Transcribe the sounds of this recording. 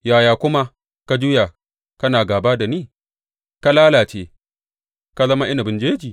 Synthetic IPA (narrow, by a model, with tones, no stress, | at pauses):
jaː˨jaː˨kʷʊ˦ma˦ | ka˦d͡ʒʊ˦ja˨ | kɐ˦naː˨ɡaː˨baː˦da˨niː˦˨ | ka˦laː˦laː˨t͡ʃeː˦ | ka˦zɐ˦ma˦ʔɪ˦na˨bɪ˨nd͡ʒeː˦d͡ʒiː˨